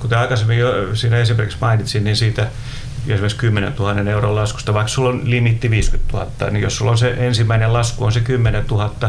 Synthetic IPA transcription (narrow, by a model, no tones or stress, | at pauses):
kut̪eɑikɑsemːijjosiːnæesimerkiksmɑinit̪sinninsiːt̪æ | esimekskymːenḛnt̪uhɑnːeneurollɑsku̥st̪ɑʋɑiksulːonlimit̪ːiʋiːskyt̪t̪uhɑ̰t̪ːɑ̰nijossulːonseʔensimːæinelɑskuonsekymːenet̪uhɑt̪ːɑ